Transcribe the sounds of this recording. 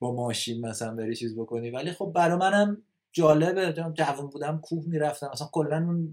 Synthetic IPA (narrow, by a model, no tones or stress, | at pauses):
b̥ɒmɒːʃinmæsæænbeɾit͡ʃʰiːzbo̞ko̞niːvælixo̞b̚ːæɾɒːmænæm | d͡ʒɒːle̞bed͡ʒd͡ʒævunbuːd̪æmkʰuːhmiːɾæft̪æmæsænko̞lːænun